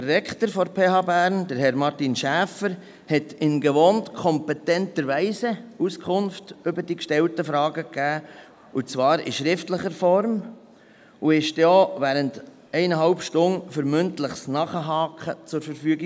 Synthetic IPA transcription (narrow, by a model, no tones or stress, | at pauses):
d̥ərːɛktəɾfɔɾpʰeːhɑːbæːɾnd̥əɾɦɛɾmɑɾtinʃæːfəɾ | hɛtɪnɡɛʋoːntkʰɔmpɛtɛntəɾʋæɪsəuskʰʊnftʏbəd̥ikʃtɛltəfɾɑːɡəkæː | ut͡svɑːɾḭʃɾɪftləχəɾfɔɾm | uɪʃtjoːʋæːɾənt | ɛɪnəɦɑlpʃtʊnfəɾmʏntləχsnɑːχəɦɑːkʰχət͡sʊɾfəɾfyːɡi